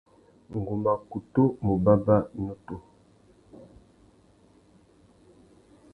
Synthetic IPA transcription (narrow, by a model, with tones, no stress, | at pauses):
ŋ˨ɡu˨ma˨ku˨to˦mo˨ba˦ba˦ɲo˦to˨